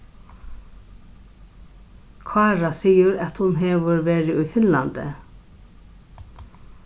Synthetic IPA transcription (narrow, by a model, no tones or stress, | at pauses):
kʰvaːɾasiːjʊɾɛt̪hʊnɦɛʋʏɾʋɛːɾɪʊjfɪnlant̪ɪ̰